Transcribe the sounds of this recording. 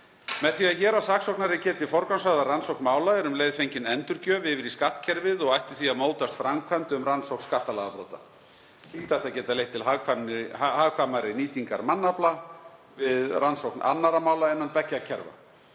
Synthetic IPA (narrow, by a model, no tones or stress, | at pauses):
mɛðθiaðçɛːɾasaːksowknaɾɪcɛːt̪ɪfɔɾkansvaɣðaransowknmaːwlaɛɾʏmleːjðfejɲcɪnɛnt̪ʏɾcœvɪvɪɾiskaht̪cʰɛɾvɪðɔɣajht̪ɪ̥θviaðmoːwt̪ast̪fɾamkʰvant̪ʏmransowkn̥skaht̪alaːɣðapɾoːwt̪a̰ | hit̪ajht̪acɛːt̪alejht̪ʰːɪlɦakʰanhaːɣkʰvamaɾɪniːt̪iŋka̰ɾmanːapla | vɪðrʔansowkna̰nːaɾamaːwlaɛnːanpɛcːacʰɛ̰ɾva̰